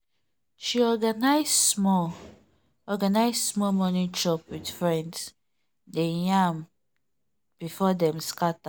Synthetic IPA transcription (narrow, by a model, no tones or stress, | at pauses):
ʃiɔɡanaɪsmɔ | ɔɡanaɪssmɔmɔnĩt͡ʃɔpwid̥fɹɛ̃nds | dejãm | b̥ifɔdɛ̃mskata